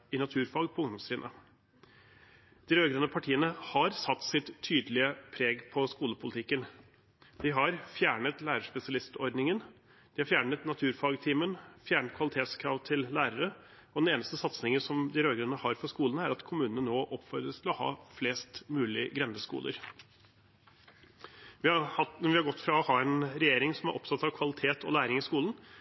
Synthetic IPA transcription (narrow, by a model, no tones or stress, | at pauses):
ɪnɑt̪ʰʉːɾfɑɡpʰɔʊŋd̪ɔmsɾɪnʔə̰ | d̪̥ɪɾøːɡɾɛnːəpʰɑʈʰiːənəhɑɾsɑt̪ːsɪt̪ʰːyːd̪lɪəpʰɾeːɡpʰɔskuːləpʰʊlɪt̪ʰɪkːən | d̪̥ɪɦɑɾfjæːɳət̪læːɾəʂpɛsɪɑlɪst̪ɔɾɖ̪nɪŋən | d̪̥ɪhɑɾfjæːɳət̪nɑt̪ʰʉːɾfɑɡt̪ʰiːmənfjæːɳt̪kʰʋɑlɪt̪ʰeːt̪skʰɾɑʋt̪ʰɪllæːɾəɾə | ɔd̪ɛneːnəst̪əsɑt̪snɪŋəsɔmd̪ɪɾøːɡɾʉnəhɑɾfɔɾʂkuːln̩æɾɑt̪kʰʊmʉːnənənoːʔɔpfɔɾd̪ɾəst̪ʰɪlɔhɑ̰ːfleːst̪mʉːlɪɡɾɛnd̪əskṵːlə̰ɾ | ʋɪhɑʋɪhɑɾɡɔt̪ːfɾɑɔhɑːɛnɾɛjeːɾɪŋsɔmæɾʔɔpsɑt̪ːɑʋkʰʋɑlɪt̪ʰeːt̪ʰɔ̰læːɾɪŋɪskuːlən̩